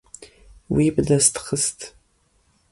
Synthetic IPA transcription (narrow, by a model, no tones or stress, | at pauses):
wibdastχəstʰʼ